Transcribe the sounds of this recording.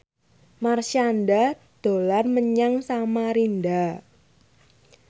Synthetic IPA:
marʃanda | d̪̥o̤larməɲaŋsamaɾinda

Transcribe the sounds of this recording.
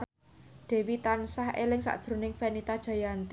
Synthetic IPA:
d̪̥e̤wit̪ansahelɪŋsa̰ʔd̥ʒ̥ɾṳnɪŋfenit̪ad̥ʒ̥a̤jant̪

